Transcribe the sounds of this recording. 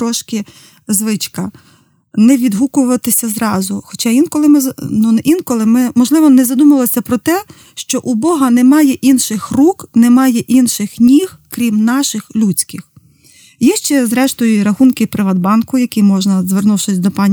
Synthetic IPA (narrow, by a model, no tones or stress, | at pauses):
t̪ɾɔʃkɪ | zʋɪt͡ʃkɐ | nɛʋʲid̪ɦukʊʋɐt̪ɪsʲɐzɾɑzʊxɔt͡ʃɑʋʲinkɔlˠɪmɪznuinkɔlˠɪmɪmɔʒlˠɪʋɔnɛzɐd̪umɐlˠɔsʲɐpɾɔt̪ɛ | ʃt͡ʃɔʔubɔɦɐnɛmɑjɛʔinʃɪxruknɛmɑjɛʔinʃɪxnʲih | kɾʲimnɑʃɪxlʲut͡sʲkɪx | jɛʃt͡ʃɛzɾɛʃt̪ɔjʊiɾɐxunkɪpɾɪʋɐd̪̚bɑnkʊjɐkijmɔʒnɐzʋernuwʃɪsʲd̪ɔpɑnʲ